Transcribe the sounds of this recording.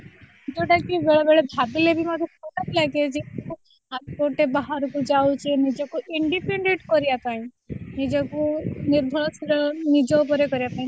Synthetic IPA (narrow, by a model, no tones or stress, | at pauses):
d͡ʒoʈakibeɭɔbeɭed̪ʱabilebʱimɔt̪ɔkʰɔʈaɾlaɡed͡ʒeku | ɦaɾkoɾʈebaɦaɾɔkud͡ʒawt͡ʃʰenid͡ʒɔkuiɳɖipeɳɖeʈkɔɾijat̪aĩ | nid͡ʒɔkuniɾd̪ʱɔɭɔsɔɾɔnid͡ʒɔup̬ɔɾekɔɾijap̪aɦĩ